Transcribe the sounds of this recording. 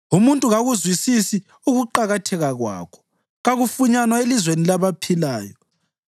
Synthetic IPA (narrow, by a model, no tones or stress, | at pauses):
umuntʼuɣaɣuzwisisi | uɣuǃaɣatʰɛɣaɣwa̰ːkʰɔ̥ | ɣaɣufuɲanwaelizwenilaβapʰilaːjɔ